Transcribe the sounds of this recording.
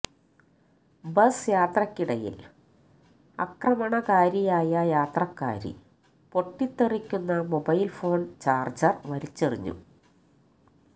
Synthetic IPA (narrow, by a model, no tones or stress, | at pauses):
bɐsjaːt̪rɐkʲːiɽɐjḭl | ɐ̰krɐmɐɳɐkaːɾijaːjɐjaːt̪rɐkːa̰ːɾḭ | po̞ʈːit̪ːerikʲːunːɐmo̞bɐjlfo̞ːɳt͡ɕaːrd͡ʑɐrʋɐɾit͡ɕːeriɲːṵ